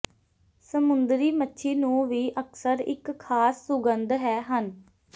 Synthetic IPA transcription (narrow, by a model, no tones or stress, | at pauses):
səmʊnd̪ɾiːmətːʃʰiːnũːʋiːʔəksəɾɪ̰kʰːaːsːʊɡənd̪ɦɛːɦən